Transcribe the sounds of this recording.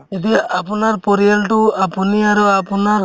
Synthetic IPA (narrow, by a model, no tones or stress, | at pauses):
it̪ijaʔapɔnaɾpɔɾijalʈuapuniaɾuapɔnaɾ